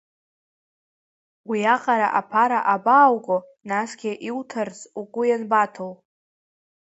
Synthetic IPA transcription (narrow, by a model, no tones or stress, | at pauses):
wiaqʼaɾaʔapʰaɾaʔabaːwkʼonasɡʲaʔiwtʰɨrzukʷʼʊjanbatʰow